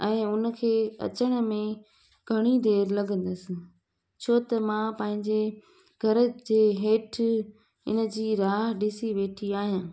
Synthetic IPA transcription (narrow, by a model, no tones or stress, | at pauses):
ɛ̃ːʊnə̆kʰeːɐ̰t͡ɕəɽ̃ə̆mẽ | ɡʱɐɽ̃id̪eːɾlɐɡʱə̃nd̪əsɪ̆ | t͡ɕʰoːt̪ɐmãːpɐ̃ɦɪ̃ɲd͡ʑe | ɡʱɐɾəd͡ʑeːɦeːʈʰ | ɪnə̆d͡ʑiːɾaːɦɗɪsiʋeːʈʰiaːɦijãː